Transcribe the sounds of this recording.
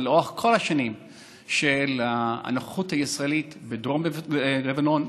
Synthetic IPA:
leʁoaχkʰo̞laʃanim | ʃelaa̰naχuthaisʁaelit̪bed̪ʁomlevano̞n

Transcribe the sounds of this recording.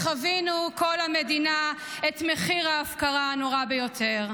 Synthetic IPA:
χavinuko̞lhamedinaetmeχiʁaːfkaʁanoʁabejo̞tʰeʁ

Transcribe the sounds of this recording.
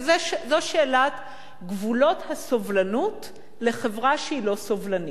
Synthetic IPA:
zeʃzoʃeːlat | ɡvulo̞thasovlanut | le̞χevʁaʃeilo̞sovlani

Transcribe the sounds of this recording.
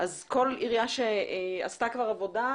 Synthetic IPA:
ʔazko̞liʁjaʃea̰stakvaʁavoda

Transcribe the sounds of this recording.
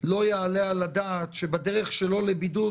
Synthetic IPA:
lo̞jaalealad̪aːt̪ʃebad̪eʁeχʃelo̞lebid̪u

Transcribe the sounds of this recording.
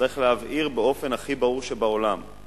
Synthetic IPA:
ʁiχlehavʔiʁbeo̞fe̞naχibaʁuʁʃebaolam

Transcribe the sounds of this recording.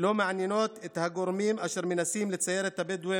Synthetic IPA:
lomaʕanjenot̪et̪haɡoɾmimʔaʃeɾmenasimlet͡sajeɾet̪abed̪uwe

